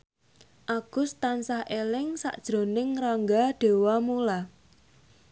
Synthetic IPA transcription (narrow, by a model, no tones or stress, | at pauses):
ʔaɡ̥ʊ̤st̪ansahʔelɪŋsa̰ʔd̥ʒ̥ɾo̤nɪŋraŋɡaɖ̥e̤wamula